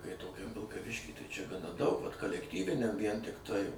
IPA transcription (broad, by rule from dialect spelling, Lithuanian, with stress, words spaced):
kɐɪ toːˈkʲɛm ʋʲɪlˠkɐˈʋʲɪʃʲkʲiː ˈtɐɪ ˈt͡ʃʲɛ dɐʊk ʋɐt kɐlʲɛkˈtʲiːʋʲɪnʲɛm ʋʲiɛn tʲɪkˈtɐɪ